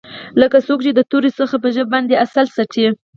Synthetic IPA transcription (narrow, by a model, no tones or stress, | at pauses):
ləkasokt͡ʃed̪ət̪oɾisəxap̬əʒəbːɑnd̪easalsaʈʰi